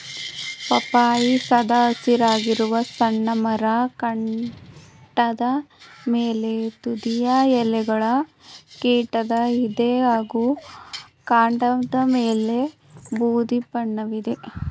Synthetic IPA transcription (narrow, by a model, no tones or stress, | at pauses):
pɐpaːjisɐd̪ɐːsiɾaːɡiɾuʋɐsɐɳːɐmɐɾɐkɐɳ | ʈɐd̪ɐmeːlet̪ud̪ijɐɛlɛɡɐɭɐ | kiːʈɐd̪ɐid̪eɦaːɡuː | kaːɳɖɐd̪ɐmeːle̞ | buːd̪ibɐɳːɐʋid̪e